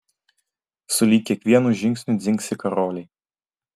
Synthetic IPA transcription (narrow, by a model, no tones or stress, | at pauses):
sʊlʲiːkʲiɛkʋʲiɛnuʒʲɪŋksʲnʲud̪zʲɪŋksʲɪkɐɾɔːlʲɛj